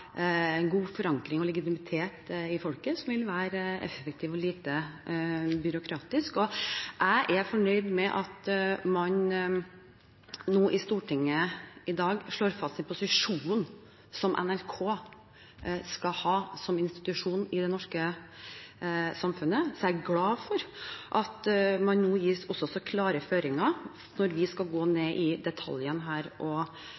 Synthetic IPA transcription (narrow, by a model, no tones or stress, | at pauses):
ɛnɡuːfɔɾɑŋkɾɪŋɔlɛɡɪt̪ɪmɪt̪ʰeːt̪ɪfɔlkəsɔmʋɪlʋæːɾɛ̰fək̚t̪ʰiːʋɔliːt̪ə | bʏɾʊkʰɾɑːt̪ɪskɔʔæɪʔɛɾfɔɳœʏd̪mɛʔɑt̪mɑn | noːʔɪst̪uːʈɪŋːəɪd̪ɑːɡʂɭoːɾfɑst̪ɛnpʰʊsɪʂuːn | sɔmʔɛ̰nælkʰoː | skɑhɑːsɔmɪnst̪ɪ̥t̪ʉʂuːnɪd̪ɛnɔʂkə | sɑmfʉnəsɔæɡlɑːfɔɾʔɑt̪mɑnnuːjiːsɔsɔsɔkʰlɑːɾəføːɾɪŋɑ | nɔɾʋɪskɑlɡoːneːʔɪd̪ɛt̪ʰɑ̰ljənɦæːɾʔɔ